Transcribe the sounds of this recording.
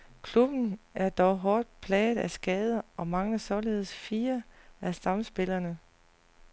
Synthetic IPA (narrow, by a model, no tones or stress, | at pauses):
kʰlub̥n̩æɐd̥ɒʊɦɒːd̥̚pʰlɛːð̩ˠæsɡ̥ɛːð̞ˠɐɒ̽mɑ̈ŋləsɒle̝ð̞̰ˠəsfiːɐæsɑ̈msb̥e̝lɐnə